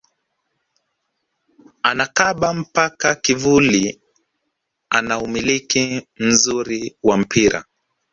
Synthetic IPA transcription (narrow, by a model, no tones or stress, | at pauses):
anakaɓam̩pakakivuli | a̰naumilikim̩zuɾiwam̩pʰiɾa̰